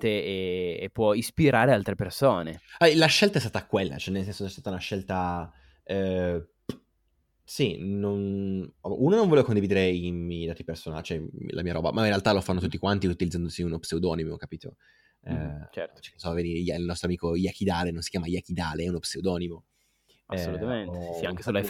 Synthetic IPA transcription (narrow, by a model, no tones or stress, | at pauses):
t̪eeːpːwɔispiɾaːɾealt̪ɾepersoːneɛlaʃɛlt̪aɛst̪aːt̪akwelːa̰t͡ʃoɛnːels̬ɛnsosɛst̪at̪aunaʃːɛlt̪a | ɛ | sinonɔʔunonõɱvoɔlevkond̪ivid̪eɾeimɛjd̪aːt̪ipersona̰t͡ʃoɛlʔa̰miːaɾɔ̰ːba̰mainrɾealt̪alofanːot̪ut̪ːikwant̪iut̪ilid̪zand̪osiunopseud̪ɔːnimookapiːt̪o̰ | ɛt͡ʃɛt͡ʃɛsɔvenijailnɔst̪ɾoamiːkojak̟id̪aːlenõnsi̥kjaːmajak̟id̪aːleɛunopseud̪ɔːnimo | aɛsolut̪ament̪akeseloa